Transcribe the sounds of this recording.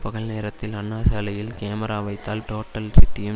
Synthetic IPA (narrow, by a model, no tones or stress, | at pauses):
pɐɣɐɭneːɾɐt̪ːɪlɐɳːaːsɐːlɐjɪlkeːmɐɾaːʋɐɪt̪ːaːlʈoːʈːɐlsɪʈːɪjɐm